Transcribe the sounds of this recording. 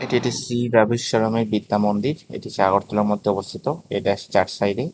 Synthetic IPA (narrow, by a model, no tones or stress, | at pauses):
eʈieʈisɾibabʱiʃːɔɾomeɾbid̪ːamond̪iɾḛʈiʃaɡoɾt̪oleɾmod̪ʱeɔbost̪ʰit̪oeʈat͡ɕaɾʈsajɖe